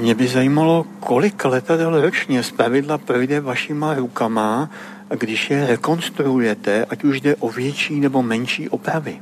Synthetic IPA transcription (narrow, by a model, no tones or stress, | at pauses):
mɲɛbɪzajiːmalo̞kʰo̞lɪklɛt̪adɛlɾot͡ʃɲɛspɾavɪdlapɾo̞jdɛvaʃɪmaɾukama | ɡdɪʃjɛɾɛko̞nst̪ɾuujɛt̪ɛʔacuʒdɛʔo̞vjɛt͡ʃiːnɛbo̞mɛnʃiːʔo̞pɾavɪ